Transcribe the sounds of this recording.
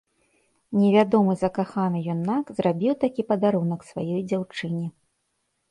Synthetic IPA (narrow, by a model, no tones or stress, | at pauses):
nʲɛvʲad̪ɔmɨzɐkaxanɨjɔnːakzrabʲiwt̪akʲipɐd̪aɾunɐksvajɔjd͡zʲawt͡ʂɨnʲi